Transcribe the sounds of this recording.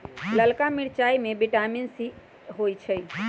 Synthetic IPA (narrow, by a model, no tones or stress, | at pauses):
ləlkamiɽt͡ʃaimẽbiʈaminsi | ɦojt͡ʃʰəj